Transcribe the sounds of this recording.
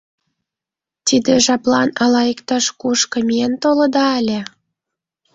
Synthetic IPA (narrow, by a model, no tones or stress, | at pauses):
t̪id̪eʒɑplɑnɑlɑikt̪ɑʃkuʃkɤ̆mient̪olɤ̆d̪ɑælʲĕ